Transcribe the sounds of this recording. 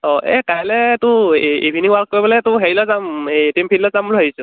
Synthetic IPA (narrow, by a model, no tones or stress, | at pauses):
ɔɛ̰kajlɛtʊibʱiniŋwaɹk̚ːoɹibɔlɛtʊɦeɹilɔzamtimpʰillɔzamulɦaɦisɔ